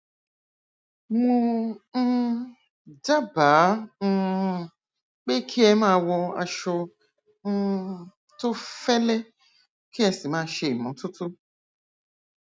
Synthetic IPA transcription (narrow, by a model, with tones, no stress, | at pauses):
ŋũ˧˦ | d͡ʒa˦baː˨˦n̩˦˧ | k͡pe˦kʰi˦ɛ˧˦mãː˦wɔ˧a̰˧ʃʊ˧ | n̩˦ | tʊ˦fɛ˦le˦ | ki˦ɛ˧si˨mãː˦ʃe˧˨i˨mɔ̃˨˦tʊ˦tʊ˦